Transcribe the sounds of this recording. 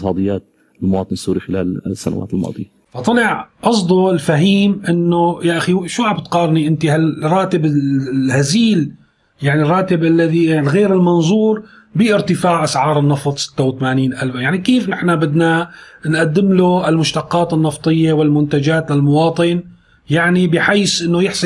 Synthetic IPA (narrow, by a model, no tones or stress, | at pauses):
sˤɑːd̪ˤɨjːaːt̪̚ | ɪlmʊwɑːt̪ˤɨnsːuːɾixɪla̰ːlsːa̰na̰wa̰ːt̪ɪlmɑ̰ːd̪ˤɨ̰ja | fɑt̪ˤɑlɪʕʔɑsd̪ˤuɪlfaɦiːmʔɪnːʊjaʔaxiʃuːʕabt̪qɑːɾˤniʔɪnt̪ihalrˤːɑːt̪ɪbɪhaziːl | jaʕnirˤːɑːt̪ɪbʔalːaðiaɣeːɾɪlmɑnzˤuːɾ | biʔɪɾt̪ɪfaːʕʔasʕɑːɾˤɪnːɑft̪ˤsɪ̥t̪ːawt̪amaːniːnʔalbajaʕnikiːfnɪħnabɪd̪nanʔad̪ːɪmluʔɪlmʊʃt̪ɑqːɑːt̪ɪnːɑft̪ˤɨjːewɪlmʊnt̪ad͡ʒaːt̪ɪlmʊwɑːt̪ˤɨn | jaʕnibɪħiːsʔɪnːʊjɪħs